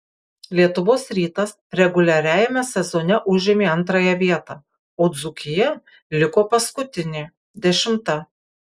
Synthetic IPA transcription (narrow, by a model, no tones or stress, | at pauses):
lʲiɛt̪ʊʋoːsɾʲiːt̪ɐs | ɾʲɛɡʊlʲɛɾʲæːjɛmʲɛsʲɛzonʲɛʔʊʒʲɪmʲeːɐnt̪ɾɑjɛʋʲiɛt̪ɑː | oːd̪zʊkʲɪjɛ | lʲɪkoːpɐskʊt̪ʲɪnʲeː | d̪ʲɛʃʲɪmt̪ɐ